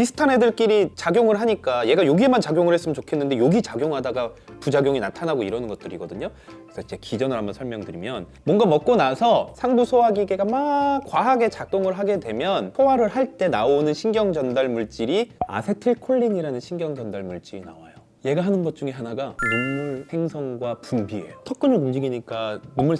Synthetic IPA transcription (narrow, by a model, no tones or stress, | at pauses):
pisʰɯ̥tʰanɦe̞dɯɭk͈iɾit͡ɕaɡjoŋɯɭɦaɲik͈aje̞ɡajoɡie̞mant͡ɕaɡjoŋɯɭhes͈ɯmɯnt͡ɕokʰe̞nːɯnde̞joɡit͡ɕaɡjoŋɦadaɡapud͡ʑaɡjoŋinatʰanaɡoiɾʌnɯnɡʌt̚t͈ɯɾiɡʌdɯɲokɯ̥sʰʌid͡ʑe̞kid͡ʑʌnɯɭɦambʌnsʰʌɭmjʌŋdɯɾimjʌn | mwʌŋɡamʌk̚k͈onasʰʌsʰaŋbusʰoaɡiɡe̞ɡamak͈waɦaɡe̞t͡ɕak̚t͈oŋɯɭɦaɡe̞dwe̞mjʌnʰowaɾɯɭɦaɭt͈e̞naonɯnɕʰiŋɡjʌŋd͡ʑʌndaɭmuɭt͡ɕ͈iɾia̰sʰe̞tʰɯɭkʰoɭːiɲiɾanɯnɕʰiŋɡjʌŋd͡ʑʌndaɭmuɭt͡ɕ͈iɾina̰wajo | je̞ɡaɦanɯnɡʌt̚t͡ɕ͈uŋe̞ɦanaɡamumːuɭhe̞ŋsʰʌŋɡwapumbie̞̰jotʰʌk̚k͈ɯnɯɭumd͡ʑiɡiɲik͈amumːuɭ